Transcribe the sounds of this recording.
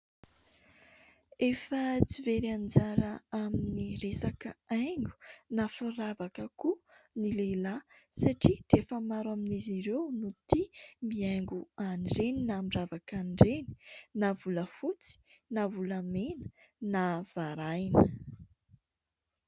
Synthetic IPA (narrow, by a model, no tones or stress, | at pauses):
efət͡siveɾand͡zaɾəaminiresakəajŋɡu̥nafuɾavakəkunilelasaʈ͡ʂid̪̥eefəmaɾaminiziɾewnut̪imiaŋɡuanɖ͡ʐeninamiravakanɖ͡ʐeni̥navuləfut͡si̥navulamenə̥ | nav̥aɾajnə